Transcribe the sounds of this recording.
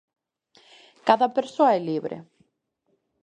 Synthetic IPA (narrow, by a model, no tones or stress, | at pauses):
kaðapɛɾ̥sɔɛliːvɾʔɪ̰